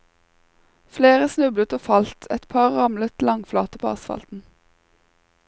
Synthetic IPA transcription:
fleːʁəsnʉblət̪oːfɑlt̪ʰɛt̪pʰɑːʁʁɑmlət̪lɑŋflɑ̰ːt̪əpʰoːɑsfɑ̰lt̪n̩

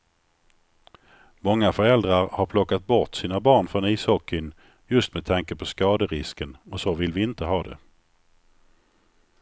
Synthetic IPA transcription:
mɔŋːafœɾɛld̪ɾaɾhaɾpʰlɔkːat̪̚bɔʈsiːnabɑːɳfɾɔniːshɔkʰːɪn | jɵst̪mɛd̪̚t̪ʰaŋkəpʰɔskɑːd̪əɾɪskənɔsovɪlvɪɪnt̪əɦɑːd̪ɛ̰

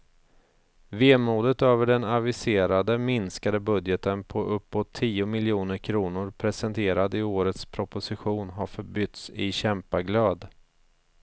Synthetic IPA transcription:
veːmuːd̪ət̪øːvəɖɛnavɪseːɾad̪əmɪnskad̪əbɵd̪jət̪ənpʰɔʔɵpːot̪ʰːiːʊmɪljuːnəɾkʰɾuːnʊɾpʰɾɛsɛnt̪ʰeːɾad̪əɪoːɾət̪spʰɾʊpʊsɪɧuːnɦaɾfœɾbʏt̪sɪɕɛmpaɡløːd̪

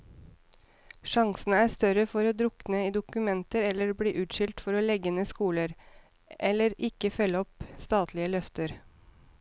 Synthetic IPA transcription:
ʃɑŋsn̩əæːst̪œɾəfɔɾoːd̪ɾʊknəiːd̪ʊkʉmɛnt̪əɾɛlːəɾbɽiːʔʉːt̪ʃʏlt̪fɔɾoːlɛɡənəskuːləɾ | ʔɛləɾʔɪkəfœləɔpst̪ɑːt̪ʰlɪəlœft̪əɾ

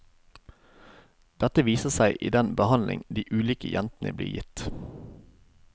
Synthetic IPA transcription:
d̪̥ɛt̪əʋiːsəsæɪʔḭːd̪ɛnbəhɑnlʔɪ̰ŋd̪iːʔʉːliːkə̰jʔɛnt̪nə̰bliːjɪ̰t̪

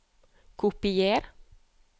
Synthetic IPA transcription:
kʰʊpɪjeːɾ

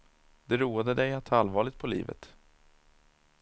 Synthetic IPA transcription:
d̪ɛɾuːad̪əd̪ɛjat̪ʰalvɑːɭɪt̪̚pʰɔlḭːvə̰t̪

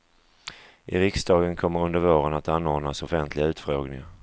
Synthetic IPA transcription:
ʔɪɾɪksd̪ɑːɡənkʰɔmːəɾɵnd̪əɾvoːɾənat̪anːɔd̪nasɔfɛnt̪ʰlɪɡaʉ̟ːt̪fɾoːɡnɪŋa

